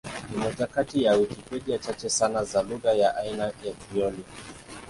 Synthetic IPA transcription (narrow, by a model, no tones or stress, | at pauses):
nimɔʄakatijaukikwɛɗiat͡ʃat͡ʃɛsanazaluɣajaʔainajakɾiɔli